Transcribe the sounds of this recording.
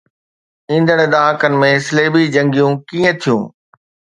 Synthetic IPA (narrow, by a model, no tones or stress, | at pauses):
ĩːn̆d̪əɽ̃ɗ̪aːkənɪ̆mẽsɪleːbid͡ʑɐ̃ŋɡijũkiːə̃t̪ʰijṵ̃ː